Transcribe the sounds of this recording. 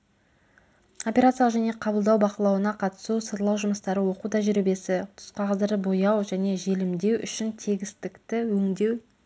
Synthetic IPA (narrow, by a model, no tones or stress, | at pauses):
o̞pʲeɾat̪sijʒæne̞qʰɑbəlˠd̪ɑwbɑqəlˠɑwənɑqʰɑt̪ə̥susəɾlˠɑwʒʊməst̪ɑɾəwo̞qut̪ʰɑʒʏɾebe̞sɪt̪ʰʊ̥sqɑʁəzd̪əɾd̪əbo̞jɑwʒæne̞ʒe̞lɪmd̪e̞wʏ̰ʃɪnt̪ʰeɡʲɪst̪ɪkt̪ɪwɵŋd̪e̞w